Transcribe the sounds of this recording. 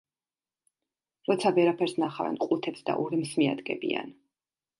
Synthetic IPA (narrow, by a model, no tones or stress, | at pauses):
ɾɔt̪sʰavɛɾapʰɛɾsnaχavɛ̰nqʼut̪ʰɛpsd̪a̰ʔɔɾimsmia̰d̪ɡɛ̰bia̰n